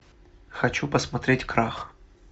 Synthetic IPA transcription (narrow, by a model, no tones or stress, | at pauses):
xɐt͡ʃupɐsmɐt̪ɾʲetʲkɾax